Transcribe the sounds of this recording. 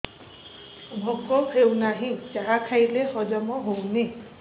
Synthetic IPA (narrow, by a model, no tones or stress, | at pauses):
bʱɔkɔkʰewnaɦĩt͡ʃaɦakʰajlehɔd͡ʒamɔɦowne